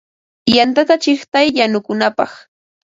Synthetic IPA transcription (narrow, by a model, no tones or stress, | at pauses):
jant̪at̪at͡ʃɪχt̪ajːanʊkʊnapɑχ